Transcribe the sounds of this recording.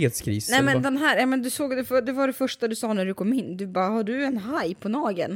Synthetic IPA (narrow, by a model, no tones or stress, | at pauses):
eːt̪skʰɾḭːsnɛmɛd̪ɛnɦæːɾjɑmɛnd̪ɵsoːɡd̪ɛfd̪ɛvaɖɛfœʂʈad̪ɵsɑːnæɖɵkʰɔmːɪnːd̪ɵbɑːhaɖɵɛnɦajpʰɔnɑːɡə̰n